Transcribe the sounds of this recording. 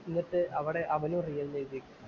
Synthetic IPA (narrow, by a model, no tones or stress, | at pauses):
inːiʈːɨʔɐʋiɽe̞ʔɐʋɐnumrijɐllejd̪ikʲːu